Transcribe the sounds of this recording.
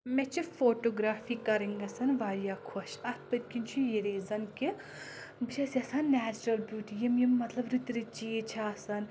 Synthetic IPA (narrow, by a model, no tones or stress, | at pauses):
mɛt͡ʃʰifoːʈoːɡɾaːfiːkɐɾiŋɡɐsɐnʋaːɾjaːkʰoʃɐt̪̚pɨt̪ʲkint͡ʃʰujiɾeːzɐnki | bɨt͡ʃʰɐsʲɐsɐnːæːt͡ʃɾɐlbjuːʈijimjimːɐt̪lɐbɾit̪ɾit͡ʃijet͡ʃʰaːsɐn